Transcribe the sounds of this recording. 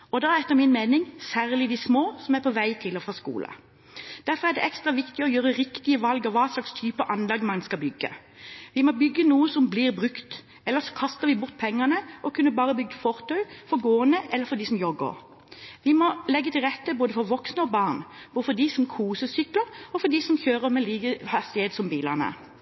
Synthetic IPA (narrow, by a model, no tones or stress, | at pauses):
ɔd̪ɑæɾɛt̪ːəɾmɪnmeːnɪŋsæːʁlɪd̪ɪsmoːsɔmæɾpʰɔʋæɪt̪ʰɪlɔfʁɑskṵːlʔə̰ | d̪̥æɾfɔʁæd̪ɛ̰ʔɛkst̪ɾɑʋɪkt̪ɪɔjøːɾəɾɪkt̪ɪəʋɑlɡɔʋɑːslɑkst̪ʰyːpəʔɑnlɑɡmɑŋnskɑbʏɡːə̰ | ʋɪmɔbʏɡːənuːəsɔmbliːʁbʁʉkt̪ | ɛlːəsɔ̥kʰɑst̪əʁʋɪbʊɾt̪̚ːpʰɛŋːɑnəʔɔkʰʉnːəbɑːʁəbʏɡ̚d̪əfɔʁt̪ʰœʏfɔɾɡoːənəʔɛlːəfɔd̪isɔmjɔɡə̰ɾ | ʋɪmɔlɛɡːət̪ʰɪlʁɛt̪ːəboːd̪əfɔɾʋɔksnəɔbɑːʁnb̥oːfɔd̪isɔmkʰuːsəsʏkləʁɔfɔd̪isɔmçøːʁəmɛliːɡəhɑst̪ɪheːt̪sɔmbiːlɑʁnə̰